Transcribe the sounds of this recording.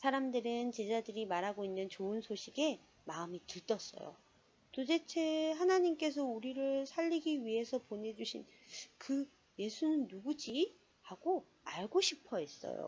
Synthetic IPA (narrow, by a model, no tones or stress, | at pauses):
sʰaɾamdɯɾɯnt͡ɕe̞d͡ʑadɯɾimaɾɦaɡoinːɯnt͡ɕoɯnsʰoɕʰiɡe̞ | maɯmitɯɭt͈ʌs͈ʌ̰jo̰ | t͈ode̞t͡ɕʰe̞ɦanaɲimk͈e̞s̬ʰʌuɾiɾɯɭsʰaʎːiɡiɥiɦe̞sʰʌpone̞d͡ʑuɕʰin | kɯ | je̞sʰunɯnːuɡud͡ʑi | haɡ̥o | aɭɡoɕʰipʰʌes͈ʌ̰jo̰